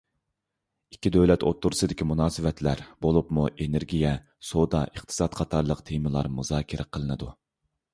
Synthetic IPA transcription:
ikʲʰːid̪øwlɛt̪ʰot̪ʰːuɾɨsɨd̪ɪkʲimunɑːsɨvɛt̪ʰlæɾbolˠupmuʔeneɾɡʲijɛ | sod̪ɑʔəχt̪ʰɨ̥sɑt̪qʰɑt̪ʰɑɾlˠəqt̪ʰemɨlˠɑ̰ɾmuzɑːkʲʰɪɾʔɛqʰəlˠɨnɨd̪u

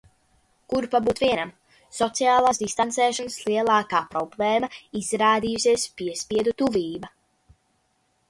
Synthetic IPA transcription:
kuɾpabuːt̪viɛnam | sɔt̪sijaːlˠaːsd̪ist̪ansɛːʃɔnslˠiɛlˠaːkaːpɾɔblˠɛːmaizɾaːd̪iːjusʲiɛspiɛspʲiɛd̪ut̪uviːba

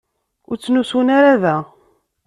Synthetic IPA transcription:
ʊɾt͡sːnusunaɾaðæ

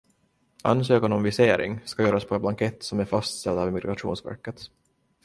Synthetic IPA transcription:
a̰nːs̬øːkanɔmvɪseːɾɪ̰ŋskajœːɾaspʰɔɛt̪blaŋkʰɛt̪ːsɔmæɾfast̪st̪ɛld̪ɑːvmɪɡɾaʂṵːnsvæ̰ɾkət̪

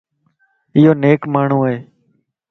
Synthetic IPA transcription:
ɪjoːneːkmaːɳ̤ũːɦeː

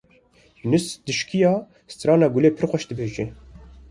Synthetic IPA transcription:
nɨsd̪ɨʃkijɑː | st̪ɾɑːnɑːɡuleːpʰɨɾxʷɛʃd̪ɨbeːʒe

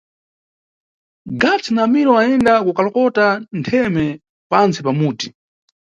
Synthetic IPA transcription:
ɡat͡sinamiɾɔaɛndakukalɔkɔtantʰɛmɛ | pant͡sipamuːti

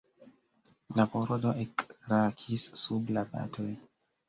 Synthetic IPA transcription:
lapoɾodoʔekɾakʰisːublaba̰tʰoj

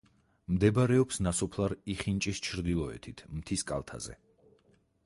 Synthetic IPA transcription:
md̪ɛbaɾɛɔpsnasɔpʰlˠaɾiχint͡ʃʼist͡ʃʰɾd̪ilˠɔɛ̰t̪ʰit̪ʰmt̪ʰiskʼa̰lˠt̪ʰa̰zɛ̰

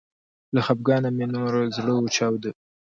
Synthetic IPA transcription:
laxab̚ɡɑnamenoɾzɽəut͡ʃɑwd̪ə

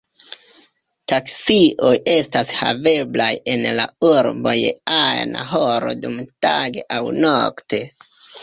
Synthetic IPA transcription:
taksiʔo̞jʔe̞stasha̰ve̞blaje̞nla̰uɾbo̞jeajna̰ɦoɾo̞̰dumtaɡe̞ʔawnokte̞

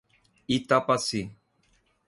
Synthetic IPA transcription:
it̪apasi

